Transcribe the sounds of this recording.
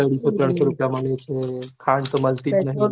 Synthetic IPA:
əɽisot̪ɾəɳ̃soɾupjamaɳet͡ʃʰekʰaɳt̪oməlt̪it̪nəɦĩ

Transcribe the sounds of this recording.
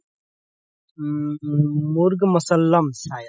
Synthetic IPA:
mʊɾɡmɐsɐlːɐmsaːj

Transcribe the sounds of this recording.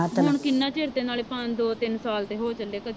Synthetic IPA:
ʊɳkɪnːaːt͡ʃeːɾt̪ẽːnaːleːpəɲd͡ʒd̪oːt̪ɪnsaːlt̪eːɦoːt͡ʃəlːeːkəd̪

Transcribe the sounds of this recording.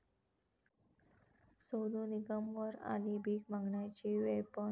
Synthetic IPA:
sod̪uniɡəmʋəɾa̰liːbʱiːɡmãŋɡɳjat͡ɕiʋepə

